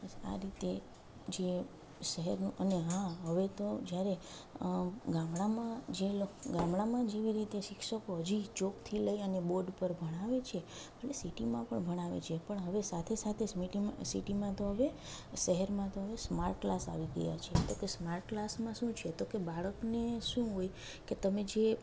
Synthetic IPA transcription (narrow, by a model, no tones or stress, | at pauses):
əa̰ɾit̪e | d͡ʒe | ʃəɦɛɾnũʔəneɦãɦəʋet̪od͡ʒjaɾe | ɡãmɭamãd͡ʒeloɡãmɭamãd͡ʒeʋiɾit̪eʃɪkʃəkoɦəd͡ʒit͡ʃokt̪ʰiləiəneboɾɖpəɾbʱəɽ̃aʋet͡ʃʰeəlesiʈimãpəɳbʱəɽ̃aʋḛt͡ʃʰepəɳɦəʋesat̪ʰesat̪ʰesmiʈima̰sḭʈimãt̪oɦəʋe | ʃəɦəɾmãt̪oɦəʋesmaɾʈ̚klasa̰ʋiɡə̰ja̰t͡ʃʰet̪okesmaɾʈklasmãʃũt͡ʃʰet̪okebaɭəkneʃũɦoj | ket̪əmed͡ʒe